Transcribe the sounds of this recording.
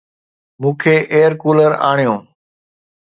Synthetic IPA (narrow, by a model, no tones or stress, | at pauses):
mũːkʰeːʔeːəɾkuːləɾa̰ːɳijõː